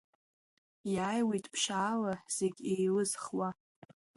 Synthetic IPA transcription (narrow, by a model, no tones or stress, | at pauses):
jaːjwejtʼpʰʃaːlaz̥eɡʲejlɨzχwa